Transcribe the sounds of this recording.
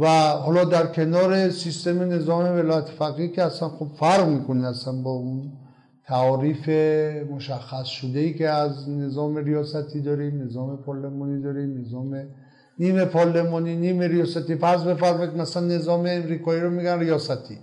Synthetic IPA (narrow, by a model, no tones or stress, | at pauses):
væɦɔlɔd̪æɾkʰenɔɾesist̪emenezɔmevelɔjat̪ʰi̥faqikeasanχubfaɾʁmikʰuniasanbɔun | t̪ʰaɔɾifemoʃaχːasʃud̪eiːkeaznezɔmeɾijɔsat̪ʰid̪ɔɾinezɔmepʰɔɾlemɔnid̪ɔɾinezɔme | nimepʰɔɾlemɔninimeɾijɔsat̪ifaɾzbefaɾmek̪masaanːezɔmeːmɾikɔiɾɔmiɡanɾijɔsat̪ʰi